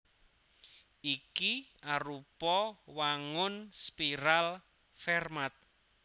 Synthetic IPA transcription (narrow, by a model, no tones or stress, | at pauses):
ikiaɾupɔwaŋʊnspiɾal | fɛrmat̪̚